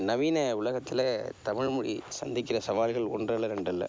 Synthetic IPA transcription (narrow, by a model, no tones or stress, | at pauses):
nɐʋiːnɐʊlɐɣɐt̪ːɪlɐt̪ɐmɪɻmʊɻḭsɐnd̪ɪkːɪrɐsɐʋaːlɣɐɭɔndrɐlɐɾɛɳɖɐlːɐ̰